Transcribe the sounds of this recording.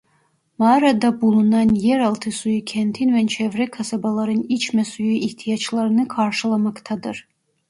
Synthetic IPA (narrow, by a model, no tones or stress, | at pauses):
mɑːɾad̪abulˠunɑnjɛɾɑlˠt̪ʰɨsujɨkʲʰɛnt̪ʰinvɛnt͡ʃʰɛvrɛkʰasabalˠaɾɨnit͡ʃʰmɛsujuiht̪ʰijɑt͡ʃlˠaɾnɨkʰɑɾʃɨlˠamɑkt̪ʰad̪ɨr